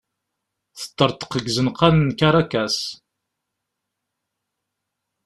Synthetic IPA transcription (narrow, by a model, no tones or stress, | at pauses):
θə̥t̪ːəɾˤt̪ə̥qəɡzənqalənkaɾˤakæs